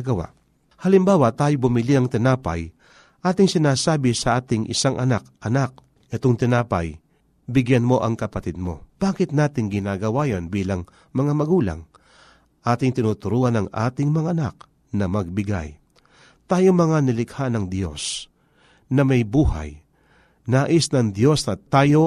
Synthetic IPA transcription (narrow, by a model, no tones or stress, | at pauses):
ɡɐwa̰ʔ | hɐlɪmbaːwɐt̪aːjobʊmɪlinɐŋt̪ɪnaːpɐ̰j | ʔaːt̪ɪŋsɪnaːsaːbɪsɐʔaːt̪ɪŋʔɪ̰saŋʔɐ̰nak̚ʔɐnak̚ | ʔɛt̪oŋt̪ɪnaːpɐ̰j | bɪɡjanmo̞ʔɐŋkɐpɐt̪ɪd̪̚mo̞̰b̥aːkɪt̪̚naːt̪ɪŋɡɪnaːɡɐwaːjɐnbiːlɐŋ | mɐŋamɐɡuːlɐ̰ŋ | ʔaːt̪ɪŋt̪ɪnuːt̪ʊɾuːʔɐnɐŋʔa̰ːt̪ɪŋmɐŋaʔɐnak̚ | nɐmɐɡ̚bɪɡa̰j | t̪aːjomɐŋanɪlɪkhanɐŋd̪jo̞̰s | nɐmɐjbuːha̰j | naːʔɪsnɐŋd̪jo̞snɐt̪aːjo̞